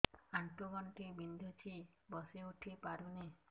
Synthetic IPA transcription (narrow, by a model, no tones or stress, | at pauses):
aɳʈoɡɔɳʈibind̪ʱot͡ʃʰibɔseuʈʰipaɾune